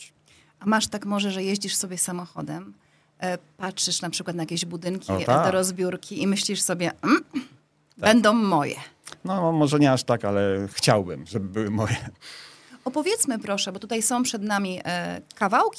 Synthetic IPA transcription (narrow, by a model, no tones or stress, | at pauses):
ʔamaʂt̪akmɔʐɛʐɛjeʑd͡ʑiʂsɔbʲjɛsamɔxɔ̰d̪ɛm | patʂɘʂnapʂɘkwat̪najakʲeʑbud̪ɘŋkʲit̪ad̪ɔɾɔzbʲjuɾkʲiimɘɕlʲiʂsɔbʲjɛ | bɛnd̪ɔ̃w̃ːɔjɛ̰nɔmɔʐɛɲɛaʂt̪akalɛxt͡ɕawbɘ̰mʐɛbɘbɘwɘmɔjɛ | ɔpɔvʲjɛt̪smɘpɾɔʂɛbɔt̪ut̪ajsɔ̃w̃pʂɛd̪namʲiʔkavawkʲ